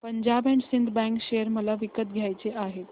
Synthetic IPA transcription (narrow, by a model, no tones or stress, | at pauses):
pəɲd͡ʑabẽɳʈsind̪bɛ̃ŋkɕejəɾməlaʋikət̪̚ɡʱjajt͡seʔaɦet̪